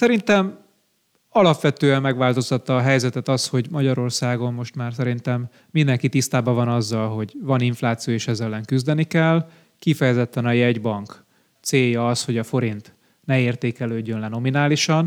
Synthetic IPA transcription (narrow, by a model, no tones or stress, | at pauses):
sɛɾint̪ɛm | ɒlɒpʋɛt̪øːɛmːɛɡʋaːlt̪o̞st̪ɒt̪ːɒːɦɛjzɛt̪ɛt̪ɒsho̞ɟmɒɟɒɾo̞rsaːɡo̞mːo̞ʃt̪maːrsɛɾint̪ɛmː | ind̪ɛŋkit̪ist̪aːbɒvɒnɒzːɒlɦo̞ɟʋɒniɱflaːt̪sijoːeːʃɛzɛlːɛŋkyzd̪ɛnikɛl | kifɛjɛzɛt̪ːɛnɒjɛɟbɒŋk | t̪seːjɒɒsho̞ɟɒfo̞ɾint̪ | nɛeːrt̪eːkɛløːɟːønlɛno̞minaːliʃɒn